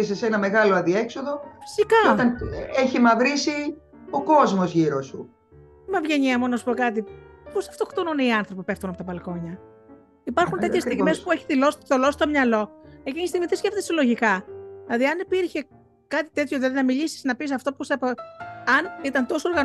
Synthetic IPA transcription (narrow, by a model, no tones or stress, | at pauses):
isesenɐme̞ɣɐlo̞ɐnd̪ie̞kso̞ðo̞fi̥sikɐt̪ɐneçimɐvɾisi | o̞ko̞zmozʝiɾosṵ | mɐvʝe̞ɲiɐmonɐsu̥po̞kɐt̪iposɐ̥ft̪okt̪onuneiɐnθɾo̞pipe̞ft̪unɐpot̪ɐpɐlko̞ɲɐ | ipɐɾxunt̪e̞t̪çest̪iɣmespueçi̥ðilo̞sit̪olosi̥t̪o̞mɲɐlo̞ecinist̪iɣmitθesce̞ft̪eselo̞ʝikɐðilɐðiɐnipiɾçe̞ | kɐt̪i̥t̪e̞t̪çoðilɐðinɐmiʎisi̥znɐpis̬ɐft̪opusepoɐnit̪ɐnt̪o̞sooɾɣɐn